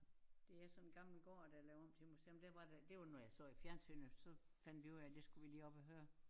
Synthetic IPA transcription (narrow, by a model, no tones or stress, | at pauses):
d̥e̝æsɒ̽nnɡ̥ɑ̈ml̩ɡ̥ɒ̰ːd̥æjlɛʊɒ̽m̰t͡sʰe̝musḛmd̥æɐʋɑ̈ded̥e̝ʋɑnɒjɑ̈ɪsɔ̰̽ːifjæɐnsy̰ːnəsɒ̽fæn̰d̥ʋiuðæd̥e̝sɡ̥uʋiliːɒ̽b̥ɒɦøːɐ